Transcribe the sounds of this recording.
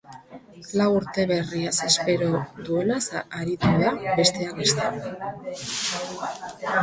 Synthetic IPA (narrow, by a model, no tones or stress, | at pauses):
lawuɾt̪e̞βe̞riasespe̞ɾo̞ðue̞nasaaɾit̪uðabe̞st̪e̞akest̪e